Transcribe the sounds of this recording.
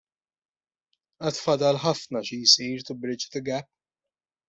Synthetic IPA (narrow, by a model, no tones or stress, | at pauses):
ʔɐt̪fɐd̪ɐlħɐfnɐʃijsiːɾt̪ʊbɾɪt͡ʃt̪ɪɡɛpː